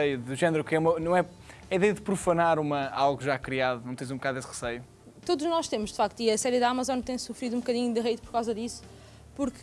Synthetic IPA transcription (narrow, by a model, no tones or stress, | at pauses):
ɐjuðuʒɛnɾukɛumɐnɐ̃w̃ɛ | ɐiðɛjɐðɨpɾufɐnaɾumɐalˠɣuʒakɾiaðunɐ̃w̃t̪ɐ̃j̃zũbukaðesʁɨsɐju | t̪oðuʒnɔʃt̪emuʒd̪ɨ̥fak̚t̪uiɐsɛɾjɨðamɐzɔ̃nt̪ɐ̃j̃sufɾiðũbkɐðiɲud̪ɨʁɐjt̪pɔɾkawzɐðisu̥ | puɾk